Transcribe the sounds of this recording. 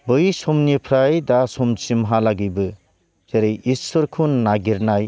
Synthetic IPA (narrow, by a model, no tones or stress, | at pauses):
bɯjsɔmnipʰɾajdasɔmt͡ʃimɦalaɡibɯ | z̥eɾejissɔɾkʰunːaɡiɾnaj